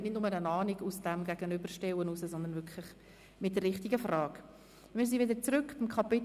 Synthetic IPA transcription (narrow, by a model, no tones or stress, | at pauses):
nɪtdnʊmənənɑːniɡusd̥ɛmɡæɡənʏbəʃtɛwənusəsɔnd̪ənvʏkʰlɪχ | mɪt̚d̥ɛrːɪχtɪɡəfrɑːɡ | mɪːɾs̬iːʋɪdəɾt͡sɾʏkb̥ɪmkʰɑpɪ